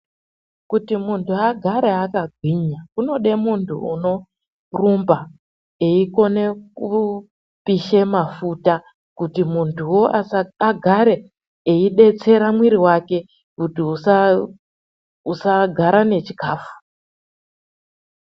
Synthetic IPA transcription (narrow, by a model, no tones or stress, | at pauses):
kutimuntʰuaɡʱaɾeakaɡʱwiɲakuno̞ɗe̞muntʰṵṵno̞ | rumba | eiko̞ne̞ku | piʃemafuta | kutimuntʰuwo̞ʔaaɡʱaɾe̞ | eiɗe̞t͡se̞ɾamwiɾiwake̞ | kutiusa | usaɡʱaɾane̞t͡ʃi̥kaːfu̥